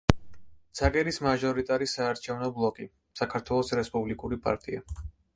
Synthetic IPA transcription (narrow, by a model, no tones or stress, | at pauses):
t̪sʰaɡʼɛɾismaʒɔɾit̪ʼaɾisaːɾt͡ʃʰɛvnɔblˠɔkʼi | sakʰaɾt̪ʰwɛlˠɔsɾɛspʼublikʼuɾipʼa̰ɾt̪ʼia̰